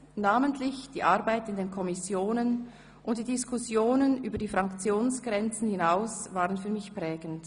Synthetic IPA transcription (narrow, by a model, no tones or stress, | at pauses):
naːməntʰlɪçd̥ḭːʔaɐbaɪtɪndeːnkʰɔmɪsjoːnən | ʔʊnt̚d̥iːdɪskʰʊsjoːnənʔyːbɐdiːfʁɑŋkt͡sjoːnsɡ̥ʁɛnt͡sn̩hɪnaʊsvaːʁənfyːɐmɪçpʁɛːɡ̥ənt